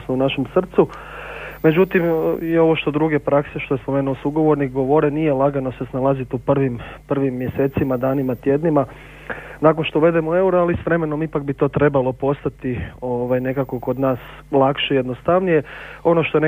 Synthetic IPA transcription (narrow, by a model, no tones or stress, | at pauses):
snounaʃe̞msr̩t̪su | me̞d͡ʑut̪imio̞ʋo̞ʃt̪o̞d̪ɾuɡe̞pɾakseʃt̪o̞jespo̞me̞nuosuɡo̞ʋo̞ɾnik̚ɡo̞ʋo̞ɾenijelˠaɡano̞se̞snalˠazit̪upr̩ʋimpr̩ʋimːje̞se̞ːt̪simad̪aːnimat̪je̞d̪nima | nak̬o̞nʃt̪ouʋe̞d̪emoe̞uɾoalisʋɾe̞me̞no̞mipak̚bit̪o̞ːt̪ɾe̞balo̞po̞st̪at̪ioʋajne̞kako̞ko̞d̪naːs | lˠakʃeijed̪nost̪aʋnije̞o̞no̞ʃt̪oene